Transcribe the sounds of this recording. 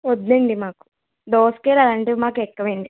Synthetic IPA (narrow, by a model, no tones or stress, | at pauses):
od̪neːɳɖimaːku̥ | d̪oːskeːɾaːlɐɳʈeːmaːkɛkːɐʋeːɳɖi